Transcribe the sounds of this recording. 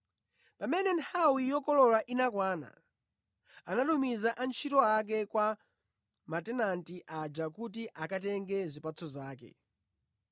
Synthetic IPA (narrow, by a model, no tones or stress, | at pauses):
pamɛnɛntʰawijɔkɔlɔlaʔinakwaːna̰ | anatumizaʔant͡ʃʰitɔak̬ɛkwa | matɛnantiʔad͡ʒakut̬iʔakat̬ɛŋɡɛzipat͡sʰɔzaːkɛ̰